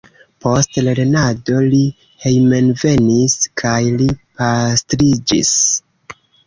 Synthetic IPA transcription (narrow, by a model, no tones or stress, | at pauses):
po̞stleɾe̞nado̞li | he̞jme̞nve̞niskʰajlipastɾid͡ʒḭs